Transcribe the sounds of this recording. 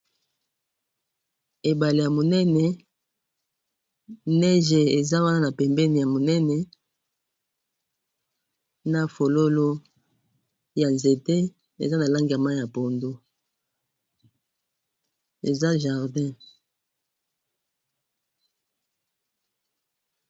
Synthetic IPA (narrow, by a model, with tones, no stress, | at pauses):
e˨ba˨le˨ja˨mo˨nɛ˦nɛ˨ | nɛ˦ʒe˨e˨za˦wa˦na˦na˨pɛ˨mbɛ˦ni˨ja˨mo˨nɛ˦nɛ˨ | na˨fo˨lo˦lo˦ | ja˨nze˨te˦ | ḛ˨za˦na˨la˦ŋɡa˨ma˦ja˨po˨ndo˦ | ḛ˨za˦ʒa˨ʁdɛ̃˦